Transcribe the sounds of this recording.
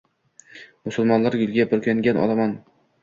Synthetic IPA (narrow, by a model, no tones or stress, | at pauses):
mʊsʊlˠmɒnlaɾjʊlˠɡʲabɪɾkʲʰaŋɡʲanʔɒ̰lˠaman